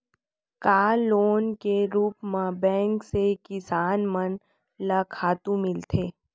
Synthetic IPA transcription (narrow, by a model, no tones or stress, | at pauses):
kaːlːoːnkeɾuːpmãbɛ̃ːŋksekɪsaːnmən | lakʰaːt̪ũmɪlt̪ʰeː